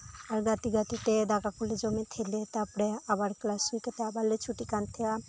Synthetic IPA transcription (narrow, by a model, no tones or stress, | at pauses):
aɾɡat̪iɡat̪it̪ed̪akakuled͡ʒɔmet̪ʰelet̪apɽeabaɾklasiket̪eabalːet͡ʃʰuʈikant̪ʰea